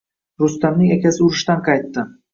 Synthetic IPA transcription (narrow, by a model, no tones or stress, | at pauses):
ɾʊst̪amnɪŋekʲasɪʊɾɪʃt̪anqʰɑjt̪ːɪ